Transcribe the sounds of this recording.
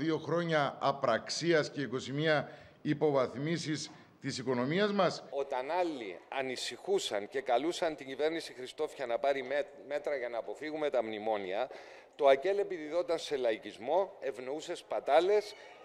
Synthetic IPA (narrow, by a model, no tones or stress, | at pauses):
ðio̞xɾo̞ɲɐːpɾɐksiɐsce̞iko̞simiɐ | ipo̞vɐθmisis | t̪isiko̞no̞miɐzmɐso̞t̪ɐnɐlːḭɐnisixusɐnce̞kɐlusɐnt̪iɲɟive̞ɾnisixɾist̪o̞fçɐnɐpɐɾi | me̞t̪ɾɐʝɐnɐːpo̞fiɣume̞t̪ɐmnimo̞niɐ | t̪o̞ɐce̞le̞piðiðo̞t̪ɐnse̞lɐicizmo̞e̞vno̞use̞spɐt̪ɐle̞s